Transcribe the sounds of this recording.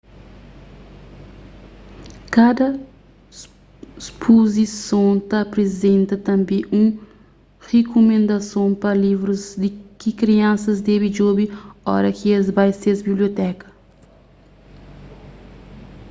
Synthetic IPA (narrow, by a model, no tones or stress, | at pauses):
kad̪ɐ | spʰozisõt̪ɐpɾezẽnt̪ɐt̪ɐ̃mbẽʔũ | hekomẽnd̪ɐsõpɐlivɾuzd̪ikikɾiɐ̃nsɐzd̪ɛbid͡ʒobiɔ̰ɾɐkiezbajsezbibliot̪ɛkɐ̥